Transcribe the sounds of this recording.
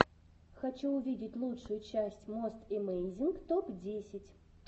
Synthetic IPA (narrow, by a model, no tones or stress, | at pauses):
xɐt͡ɕuʊvʲidʲɪtʲlˠutʂʊjʊt͡ɕæsʲtʲmost̪ɪmejnʲzʲinkt̪opdʲesʲɪtʲ